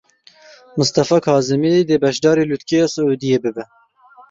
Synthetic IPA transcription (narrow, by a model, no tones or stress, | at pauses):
mʊst̪ɑfɑːkʰɑːzɨmid̪eːbɛʃd̪ɑːɾeːlut̪kejɑsɨuːd̪ijeːbɨbɛ